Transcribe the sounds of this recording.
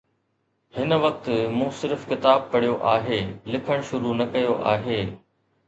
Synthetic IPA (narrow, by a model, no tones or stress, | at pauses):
hɪnʋɐk̚t̪ɪ̆mũːsɪɾɪfkɪt̪aːb̚pɐɽ̤ijoʔaːɦeːlɪkʰəɽ̃ʃʊɾunɐkɐjoʔa̰ːɦeː